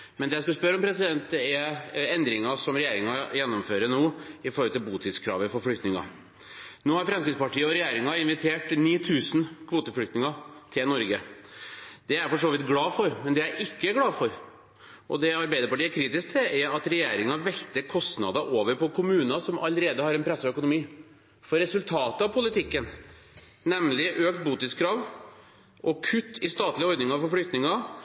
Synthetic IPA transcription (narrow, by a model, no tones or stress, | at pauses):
mɛnd̪ɛːjæɪskʉspœɾɔmpʰɾɛsɪd̪ɛnt̪̚d̪ɛæɛnd̪ɾɪŋɑsɔmɾɛjeːɾɪŋɑjɛnːɔmføːɾənoːɪfɔɾhɔlt̪ɪlbuːt̪ʰɪt̪skʰɾɑ̰ːʋəfɔɾflʏkt̪nɪŋɑ̰ | noːhɑɾfɾɑmskɾɪt̪spɑʈiːəɔɾɛjeːɾɪŋɑɪnʋɪt̪ʰeːʈniːt̪ʰʉːsn̩kʰʋoːt̪əfɭʏkt̪nɪŋɑt̪ʰɪlnɔɾɡə | d̪̥ɛæɾfɔʂoːʋɪt̪̚ɡlɑːfɔɾmɛnd̪ɛjæʔɪkːəɡlɑːfɔɾ | ʔɔ̰d̪ɛɑɾbæɪd̪əɾpɑʈiːæɾkʰɾiːt̪ɪsk̚t̪ʰɛʔæɾɑt̪ɾɛjḛːɾɪŋɑʋɛkt̪əɾkʰɔst̪nɑ̰d̪ɑʔoːʋəɾpʰɔkʰʊmʉːnɑsɔmʔɑ̰ləɾeːd̪əhɑɾɛnpʰɾɛsːəœkʊnʊmiː | fɔɾɛsʉlt̪ʰɑːt̪əɑʋpʰʊlɪt̪ɪkːən | nɛmlɪʔøːk̚t̪̚buːt̪ɪt̪skʰɾɑːʋ | ʔɔkʰʉt̪ːɪst̪ɑːt̪lɪɔɾd̪nɪŋɑfɔɾflɽʏkt̪nɪŋɑ